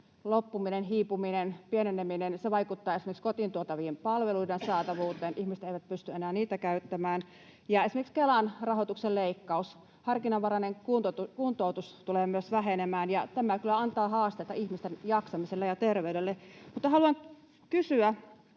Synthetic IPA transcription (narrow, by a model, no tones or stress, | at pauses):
lopːuminenɦiːpuminenpieneneminenseʋɑikut̪ːɑːesimekskot̪int̪uot̪ɑʋiːmpɑlʋeluidensɑːt̪ɑʋuːt̪ˑeːnʔihmisĕ̥t̪eiʋæt̪̚pyst̪yenæːniːt̪ækæyt̪ːæmæːn | jɑesimekikskelɑnrɑhot̪ukselleikːɑus | hɑrkinɑʋʋɑrɑneŋkut̪t̪ukunt̪out̪ust̪uleːmyøsʋæɦenemæːnjɑt̪æmækylːæɑnt̪ɑːhɑːst̪et̪ɑʔihmist̪enjɑksɑmiselːejɑt̪erʋeyɾelːemut̪ːɑhɑluɑŋ | kysyæ